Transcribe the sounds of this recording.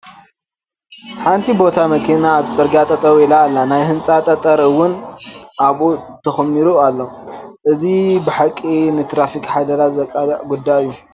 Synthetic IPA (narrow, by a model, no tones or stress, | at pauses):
ħant̪ʰibo̞t̪ʰamɐkʰinaːβsʼɐɾɡat̪ʼɐt̪ʼɐɾuilaːlːanajhɨnt͡sʼat̪ʼɐt̪ʼɐɾɨwʊnʔaβut̪ʰɐxmːiɾualːoʔɨzibɨħakʼːinɨt̪ʰɾafikħad̪ɐɾat̪zɐkʼaɡud̪ːajɨjːu